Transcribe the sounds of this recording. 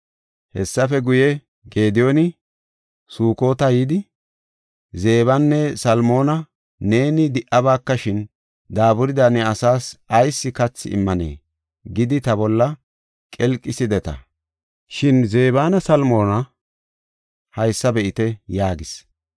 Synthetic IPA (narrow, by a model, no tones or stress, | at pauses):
hɛsːɐfɛɡʊjɛ | ɡeːd̪ɪjo̞nɪ | suːko̞ːt̪ɐjiːd̪ɪ | ze̞ːβɐnːɛsɐlmo̞ːnɐ | ne̞ːnɪd̪ɪʔɐβaːkːɐʃɪn | d̪aːbʊɾɪd̪anɛɐsaːsɐjsːɪkɐt͡sːɪ̰ɪ̰mːɐnḛː | ɡɪd̪ɪt̪ɐbɔlːɐ | kʼɛlkʼːɪsɪd̪ɛt̪ɐ̰ | ʃɪnze̞ːbaːnɐsɐlmo̞ːnɐ | hɐjsːɐbɛʔɪt̪ɛjaːɡɪs